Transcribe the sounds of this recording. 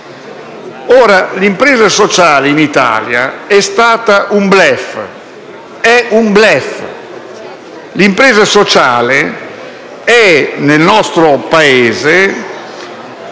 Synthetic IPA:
ɔːɾalimpɾeːzasɔt͡ʃaːleinit̪a̰ːlja̰ɛst̪aːt̪aʔumblɛf | ɛumblɛf | limpɾɛːzasot͡ʃaːle | ɛnelnɔst̪ɾopaeːze

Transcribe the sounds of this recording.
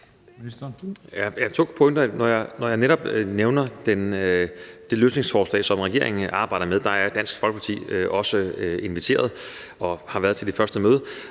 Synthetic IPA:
jæjat͡sʰo̝̰ːpʰoeŋd̥ɐnɒjɑ̈nɒjɑ̈neɾɒ̽b̥neʊnɐd̥en | d̥e̝løːsne̝ŋsfɒːslɛ̰ːsɒ̽mʁɛɡ̥e̝ɐ̰e̝ŋn̩ɑ̈ːb̥ɑ̈ɪ̰ɾ̥ɐmeðˠd̥ɑ̈æɐd̥æn̰sɡ̥fɒ̽lɡ̥əpʰɑ̈t͡sʰḭːøʔɒ̽səe̝nʋit͡sʰe̝̰ːɐð̞ˠ | ɒ̽hɑ̈ʋæːɐð̞ˠt͡sʰe̝ld̥e̝fɶɐsd̥əmøːð̞ˠ

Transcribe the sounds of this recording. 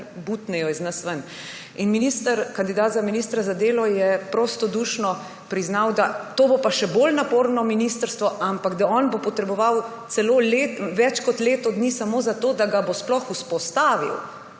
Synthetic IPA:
but̪nɛjɔiznəsʋən | inminist̪əɾkand̪id̪aːt̪zaminiːst̪ɾazad̪eːlɔjɛpɾoːst̪ɔd̪uːʃnɔ | pɾiznawd̪at̪oːbopaʃɛbolnapoːɾnɔminist̪əɾst̪ʋɔʔampakd̪aɔːnbopɔt̪ɾɛbɔʋawt̪sɛloːlet̪ʋɛt͡ʃkɔt̪leːt̪ɔd̪nisamoːzat̪oːd̪aɡabosplɔxuspɔst̪aːʋḭw

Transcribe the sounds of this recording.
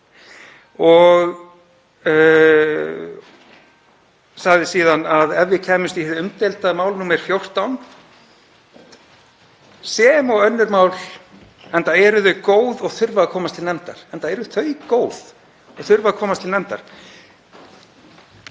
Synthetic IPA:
ɔɣ | saɣðɪsiːðanaðɛvːɪcʰɛːmʏst̪ihɛʏmt̪elt̪amaːwlnuːmɛɾ̥fjowr̥t̪awn | sɛːmɔɣœnːʏɾmaːwl | ɛnt̪aɛɾʏðʏkoːwðɔɣθʏɾvaðakʰɔːmast̪ʰɪlnɛmt̪a̰ɾ̥ɛnt̪aɛɾʏʏθœɥkoːwð̥ | ɔɣθʏɾvaðakʰɔːmast̪ʰɪlnɛmt̪a̰ɾ̥

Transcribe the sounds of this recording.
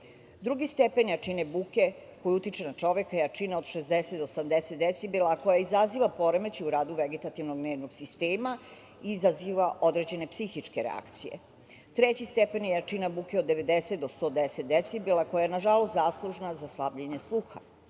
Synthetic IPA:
d̪ɾuɡist̪epenjat͡ʃinebuke̞ko̞juut̪it͡ʃenat͡ʃo̞ʋekajat͡ʂineo̞d̪ʃezd̪eset̪d̪osamd̪etset̪d̪et̪sibilaːko̞jaizaziːʋapo̞ɾemet͡ɕiuɾaːd̪uʋeɡet̪at̪iʋnoɡneːʋnoɡsist̪eːma | iːzaziʋaʔo̞d̪ɾed͡ʑe̞ne̞psixit͡ʂke̞ɾḛa̰kt̪sijḛ | t̪ɾet͡ɕist̪epenjejat͡ʃinabukeod̪ːeʋe̞d̪eset̪̚d̪ost̪o̞ːd̪eset̪̚d̪et̪sibilˠako̞jajenaʒalost̪zaːslˠuʒnazaslˠabʎeɲeslˠuːxa̰

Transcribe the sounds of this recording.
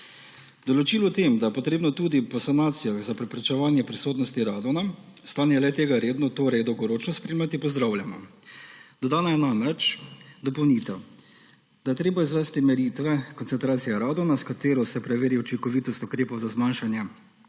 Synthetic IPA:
d̪ɔlɔt͡ʃiːlɔt̪emd̪ajɛpɔt̪ɾeːbnɔt̪uːd̪ipɔsanaːt̪sijaɣzapɾɛpɾɛt͡ʃɛʋaːnjɛpɾisoːt̪nɔst̪iɾad̪ɔnast̪aːnjɛlɛt̪eːɡaɾeːd̪nɔt̪oːɾɛjd̪ɔwɡɔɾoːt͡ʃnɔspɾeːmat̪ipɔzd̪ɾaːwljamɔ̰ | d̪̥ɔd̪aːnajɛnamɾɛt͡ʃd̪ɔpɔwnit̪ɛ | d̪ajɛt̪ɾeːbaizʋɛːst̪imɛɾit̪ʋɛkɔntsɛnt̪ɾaːt̪sijaɾaːd̪ɔnaskat̪eːɾɔsɛpɾɛʋeːɾiɔt͡ʃiŋkɔʋiːt̪ɔst̪ukɾeːpɔwzazmanʃanjɛ

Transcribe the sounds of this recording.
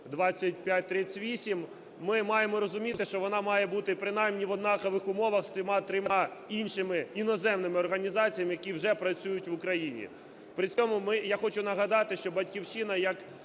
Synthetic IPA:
d̪ʋɑt͡sʲːɐtʲpʲjat̚ʲt̪ɾɪt͡sʲʋʲisʲimː | ɪmɑjemɔɾɔzʊmʲitt̪ɪʃt͡ʃɔʋɔnɑmɑjɛbut̪ɪpɾɪnɑjmnʲiʋɔd̪nɑkɐʋɪxʊmɔʋɐxst̪ɾɪmɑt̪ɾɪmɑinʃɪmɪinɔzɛmnɪmɪɔrɦɐnʲizɑt͡sʲijɐmɪjɐkʲiwʒɛpɾɐt͡sʲujʊtʲʋʊkɾɐjinʲḭ | pɾɪt͡sʲɔmʊmɪjaxɔt͡ʃʊnɐɦɐd̪ɑt̪ɪʃt͡ʃɔbɐtʲkʲiwt͡ʃɪnɐjɐk

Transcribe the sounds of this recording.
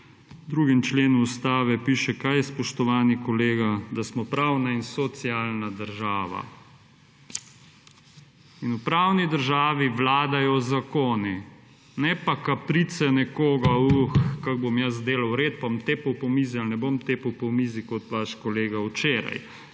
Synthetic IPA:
d̪ɾuːɡimt͡ʃleːnuːst̪aːʋɛpiːʃɛkajɛspɔʃt̪ɔʋaːnikɔleːɡad̪asmɔpɾaːwnainsɔt̪siaːlnad̪əɾʒaːʋa̰ | inupɾaːwnid̪əɾʒaːʋiʋlaːd̪ajɔzakoːni | nɛpakapɾit̪sɛnɛkoːɡauxkaɡ̚bomjɐs̬d̪eːlawɾeːt̪̚paamt̪eːpəwpɔmiːzialnɛbomt̪eːpəwpɔmizikɔt̪ʋaʃkɔleːɡawt͡ʃeːɾa̰j

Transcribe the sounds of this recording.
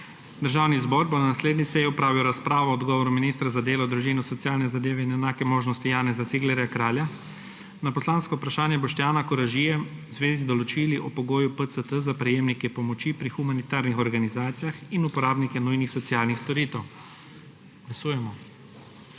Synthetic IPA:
d̪əɾʒaːwnizbɔɾbonanasleːd̪nisɛjɛɔpɾaːʋiwɾaspɾaːʋɔːd̪ɡɔːʋɔɾuminiːst̪ɾazad̪eːlɔd̪ɾuʒiːnɔsɔt̪sjaːlnɛzad̪eːʋɛinɛnaːkɛmoːʒnɔst̪ijaːnɛzat̪siɡlɛɾjakɾaːlja | napɔslaːnskɔwpɾaʃaːnjɛbɔʃt̪jaːnakɔɾaʒijɛwzʋeːzid̪ɔlɔt͡ʃiːliʔɔpɔɡoːjupət̪sət̪əzapɾɛjeːmnikɛpɔmɔt͡ʃipɾixumanit̪aːɾnixɔɾɡanizaːt̪sijaxinupɔɾaːbnikɛnujnixsɔt̪siaːlnixst̪ɔɾiːt̪ɛw | ɡ̥lasuːjɛmɔ

